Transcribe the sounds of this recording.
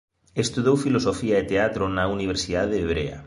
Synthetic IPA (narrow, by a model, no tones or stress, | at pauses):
est̪uðowfilosofiaet̪eat̪ɾonauniβ̞eɾsiðaðeːβ̞ɾea̰